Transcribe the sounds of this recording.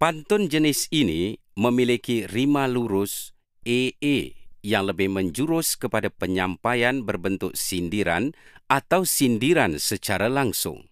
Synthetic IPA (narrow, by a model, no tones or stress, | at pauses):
pant̪ɔnd͡ʒənɪsini | məmilikirimaluɾʊs | eejaŋləbɪhməɲd͡ʒuɾʊskəpadapəɲampajanbərbənt̪ʊk̚sindiɾa̰nat̪awsindiɾansət͡ʃaɾalaŋsʊ̰ŋ